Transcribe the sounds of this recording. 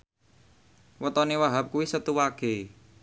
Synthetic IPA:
wət̪ɔniwaɦap̚kuwisət̪uwaɡ̥e

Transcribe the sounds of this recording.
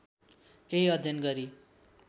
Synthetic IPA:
keɦiʌd̪ʱjʌnɡʌɾi

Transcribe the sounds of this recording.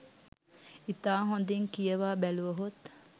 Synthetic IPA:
it̪aːɦõnd̪eŋkijəʋaːbæluʋəɦot̪

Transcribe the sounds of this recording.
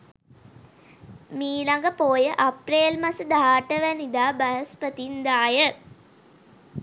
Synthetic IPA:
miːlaŋɡəpoːjəʔapreːlmasəd̪aɦaːʈəʋænid̪aːbaɦəspət̪ind̪aːjə

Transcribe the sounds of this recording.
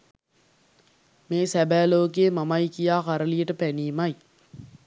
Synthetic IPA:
meːsæbæːloːk̬eːmamajkijaːkaɾəliəʈəpæniːmaj

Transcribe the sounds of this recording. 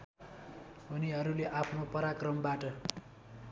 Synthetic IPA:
ɦoniɦʌɾuleʔapʰnopʌɾakrʌmbaʈʌ

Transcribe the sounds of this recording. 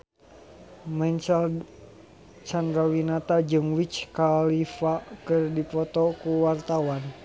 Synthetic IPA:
mɛnt͡ʃal | t͡ʃandɾawinat̪ad͡ʒɨŋwit͡ʃkalifakɨrdipɔt̪ɔkuwart̪awan

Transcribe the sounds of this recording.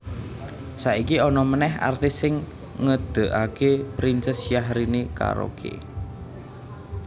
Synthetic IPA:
saikiɔnɔmənɛɦa̰rt̪ɪsɪŋ | ŋəd̪̥ə̤ʔakepɾinsɛsjaɦɾinika̰ɾo̰kʰḛ

